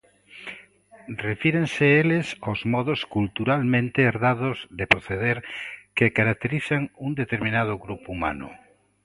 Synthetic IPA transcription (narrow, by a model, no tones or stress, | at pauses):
refiɾẽnseelesozmɔðoskult̪uɾalmẽnt̪eeɾðaðozðepɾoθeðeɾkekaɾak̚t̪eɾiθaŋund̪et̪eɾmĩnað̞ʊɣɾupuuma̰nʊ̰